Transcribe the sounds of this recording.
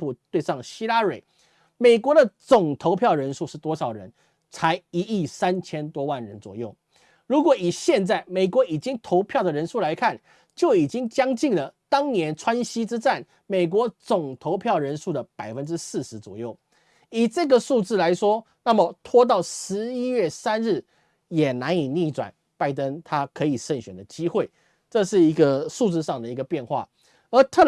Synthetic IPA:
u˨˩t̪we˥˧ɪʂɑ˥˩ŋɕi˥la˥we˨˩˦ɪ | me˨˩ɪkwɔ˧˥d̪ə˨t͡sʊ˨˩ŋt̪ʰo˧˥ʊpʰjɑ˥˩ʊɻə˧˦˥nʂu˥˧ʂɻ̩˥˩t̪wɔ˥ʂɑ˨˩ʊɻə̰˧˦n | t͡sʰa˧˥ɪi˧˥i˥˩sa˦nt͡ɕʰjɛ˥nt̪wɔ˥wa˥˩nɻə˧˦nt͡swɔ̰˨˩jo˥˩ʊ | ɻu˧˥kwɔ˨˩i˨˩ɕjɛ˥˧nt͡sa˥˩ɪme˨˩ɪkwɔ˧˥i˨˩t͡ɕi˦˥ŋt̪ʰo˧˥ʊpʰjɑ˥˩ʊd̪ə˩ɻə˧˥nʂu˥˩la˧˥ɪkʰa˥˩n | t͡ɕjo˥˩ʊi˨˩t͡ɕi˥ŋt͡ɕjɑ˥ŋt͡ɕi˥˩ŋlə˩t̪ɑ˥ŋnjɛ˧˦nʈ͡ʂʰwa˦˥nɕi˥ʈ͡ʂɻ̩˥t͡sa˥˩n | me˨˩ɪk̬wɔ˧˥t͡sʊ˨˩ŋt̪ʰo˧˦˥ʊpʰjɑ˥˩ʊɻə˧˥nʂu˥˩d̪ə˩pa˨˩ɪfə˦˥nʈ͡ʂɻ̩˥sɹ̩˥˩ʂɻ̩˧˥t͡swɔ̰˨˩jo˥˩ʊ | i˨˩ʈ͡ʂɤ˥˩ɡə˨˩ʂu˥˧t͡sɹ̩˥˩la˧˥ɪʂwɔ˥ | na˥˨˩mə˨t̪ʰwɔ˥t̪̬ɑ˥˩ʊʂɻ̩˧˥i˥ɥɛ˥˩sa˥nɻɻ̩˥˩ | jɛ˨˩na˧˥ni˨˩ni˥˩ʈ͡ʂwa̰˨˩n | pa˥˩ɪt̪ə˦ŋt̪ʰa˥kʰɤ˧˥i˨˩ʂə˥˩nɕɥɛ˨˩nd̪ə˦t͡ɕi˥xwe˥˩ɪ | ʈ͡ʂɤ˥˧ʂɻ̩˥˩i˧˥ɡə˧ʂu˥˧t͡sɹ̩˥˧ʂɑ˥˩ŋd̪ə˩i˧˥ɡə˧pjɛ˥˧nxwa̰˥˩ | ə˞˧˥t̪ʰɤ˥˨

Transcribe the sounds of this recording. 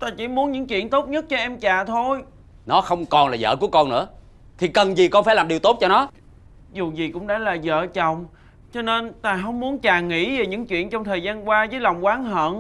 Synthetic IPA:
t̪aː˧t͡ɕi˧˩mu˨˦ənɲɨ̰˧˥ŋt͡ɕwḭ˧˨ənt̪o˦˥t̚ɲə˦˥t̚t͡ɕɔ˧ʔɛ˧mt͡ɕaː˨˩t̪ʰo˧j | nɔ˨˦xə˧wŋ͡mkɔ˨˩nlaː˨˩zə̰ː˧˨ku˧˩əkɔ˧nɨ̰˧˥ə | t̪ʰi˨˩kə˨˩nzi˨˩kɔ˧nfaː˧˥jlaː˨˩ɗi˨˩wt̪o˦˥t̚t͡ɕɔ˧nɔ˨˦ | zu˨˩zi˨˩kʊ̰˧˥ŋ͡mɗa̰ː˧˥laː˨˩zə̰ː˧˨t͡ɕə˨˩wŋ͡m | t͡ɕɔ˧ne˧nt̪aː˧ɦə˧wŋ͡mmu˨˦nt͡ɕaː˨˩ŋḭ˧˥ve˨˩ɲɨ̰˧˥ŋt͡ɕwḭ˧˨ənt͡ɕɔ˧wŋ͡mt̪ʰəː˨˩jzaː˧nkwaː˧zəː˨˦jlɔ˨˩wŋ͡mkwaː˨˦nɦə̰ː˧˨n

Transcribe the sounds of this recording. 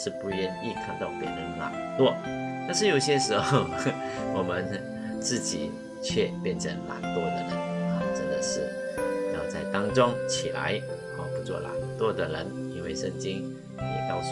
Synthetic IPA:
ʂɻ̩˥˧pu˥˩ɥɛ˥˧ni˥˩k̪ʰa˧˥nt̪ɑ˥˩ʊpjɛ̰˧˥˩ɻə˧˥nla̰˨˩ŋt̪wɔ˥˩ | t̪a˥˧nʂɻ̩˥˩˨jo˨˩ʊɕjɛ˥ʂɻ̩˧˥xo˥˩ʊ | wɔ˨˩mə˧˦n | t͡sɹ̩˥˩t͡ɕi˨˩ | t͡ɕʰɥɛ˥˧pjɛ˥˩nʈ͡ʂʰə˧˥ŋla̰˨˧˩nt̪wɔ˥d̪ə˨˩ɻə˧˦nə˨˩ʈ͡ʂə˦˥nd̪ə˨ʂɻ̩˥˩ | ja˥˧˩t͡sa˥˧ɪt̪ɑ˥ŋt͡sʊ˥ŋt͡ɕʰi˨˩la̰˧˦ɪ | ɔ˨pu˧˥t͡swɔ̰˥˩la̰˨˥nt̪wɔ˥d̪ə˨ɻə˧˥n | i˥nwe˥˩ɪʂə˥˧ŋt͡ɕi˥ŋ | jɛ̰˨˩t̪ɑ˥˧ʊs

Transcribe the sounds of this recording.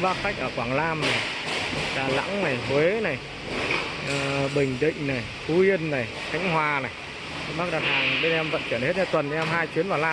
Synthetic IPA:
vaː˧xa˦˥k̚ʔəː˧˩kwaː˧˩ŋlaː˧mna˨˩jɗaː˨˩la̰˧˥ŋna˨˩jhwe˨˦na˨˩j | ɓï˨˩ŋ̟ɗḭ̈˧˨ŋ̟na˨˩j | fu˨˦ʔi˧ənːa˨˩j | xʰa˨˦ŋ̟hɦwaː˨˩na˨˩j | ɓaː˦˥ɗaː˨˩haː˨˩ŋɓe˧nʔɛ˧mvə̰˧˨nt͡ɕwi˧˩ənhe˦˥t̚ɲa˧t̪wə˨˩nɓe˧nʔɛ˧mɦaː˧jt͡ɕwi˨˦ənvaː˨˩laː˧

